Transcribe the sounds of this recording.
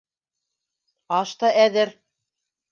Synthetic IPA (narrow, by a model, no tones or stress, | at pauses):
ɑʃt̪ɑʔæðɘɾ